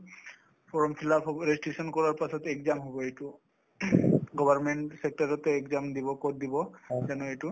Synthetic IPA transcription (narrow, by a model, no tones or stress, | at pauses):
pʰɔɹɔmpʰilaɔɹesʈɹisɔnkɔɹaɹpasɔtɛkzamɦobɔejtu | ɡɔbʱaɹmeɳʈsek̚taɹɔtɛɛkzamd̪ibɔkɔt̚d̪ibɔzanɔejtu